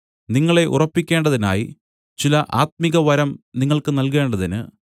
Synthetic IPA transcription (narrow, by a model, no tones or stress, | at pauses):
niŋːɐɭe̞ʔṵrɐpːikʲːe̞ːɳɖɐðina̰ːji | t͡ɕilɐʔaːt̪̚miɣɐʋɐɾɐmniŋːɐɭkɨnɐlke̞ːɳɖɐðinɨ̰